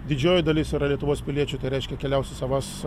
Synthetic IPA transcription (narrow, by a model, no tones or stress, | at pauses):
d̪ʲɪd͡ʒʲoːjɪd̪ɐlʲɪsɪɾɐlʲiɛt̪ʊʋoːspʲɪlʲiɛt͡ʃʲʊt̪ɐɪɾʲɛɪʃʲkʲɛkʲɛlʲɛʊsʲɛsɐʋɐs